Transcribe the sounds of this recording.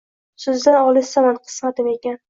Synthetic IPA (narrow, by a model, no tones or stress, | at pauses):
sʊzd̪anɒlˠɪsamanqʰɨ̥smat̪ɪme̞kʲan